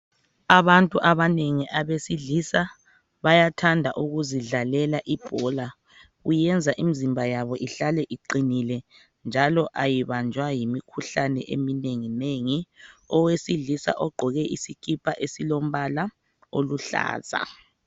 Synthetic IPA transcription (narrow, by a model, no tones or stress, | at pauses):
aβantʼuʔaβaneŋiʔaβesiɮisa | βajatʰandʱaʔuɣuziɮalɛlaʔib̥ʱɔla | ujɛnd͡zʱaʔimizimbʱajaβɔʔiɬalɛʔiǃinilɛ | nd͡ʒʱalɔʔajiβand͡ʒʱwajimikʰuɬanɛ̰ʔemineŋineŋiɔwesiɮisa̰ʔɔɡ͡ǃʱɔɣɛʔisikʰipʰaʔesilom̩βala | oluɬa̰ːz̥a̰